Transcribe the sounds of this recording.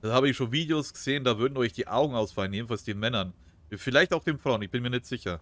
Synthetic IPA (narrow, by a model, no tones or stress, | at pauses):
d̥aːhaːbəɪçʃoːnviːdeoːsɡ̥əz̥eːəndaːvʏɐdn̩ɔʏçd̥iːʔa̰ʊɡŋ̩aʊsfalənjeːdn̩falsd̥eːnmɛnɐn | fɪlaɪçtaʊxd̥eːnfʁ̥aʊnɪçb̥ɪnmiːɐnɛçtz̥ɪçɐ